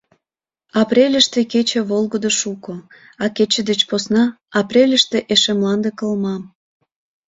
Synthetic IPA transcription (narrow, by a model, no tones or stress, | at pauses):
ɑpɾʲelʲəʃt̪eket͡ɕeβolɣəd̪oʃuko | ɑket͡ɕəd̪et͡ɕposnɑ | ɑprʲelʲəʃt̪eʔeʃemlɑnd̪ekəlmɑm